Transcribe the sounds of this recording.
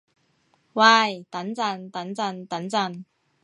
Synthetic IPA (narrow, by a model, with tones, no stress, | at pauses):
waː˧˩jt̪ɐ˨˥nt͡sɐ˧˩nt̪ɐ˨˥nt͡sɐ˧nt̪ɐ˨˥nt͡sɐ˧˩n